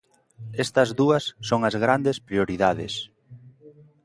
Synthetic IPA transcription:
ɛst̪ɐzðuɐsːoŋɐzɣɾand̪espɾioɾiðaðɪ̰s

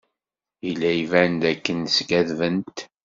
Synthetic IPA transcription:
ilːæjivænd̪ækːənsɡæðvənt̪

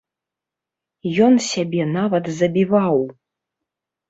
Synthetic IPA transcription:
jɔnsʲabʲɛnavɐt̪zɐbʲivaw

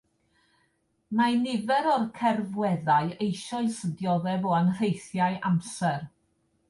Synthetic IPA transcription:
manɪvɛɾɔrkʰɛrvwɛðaɨejʃɔɨsədjɔðɛvɔanr̥ejθjaɨʔamsɛr

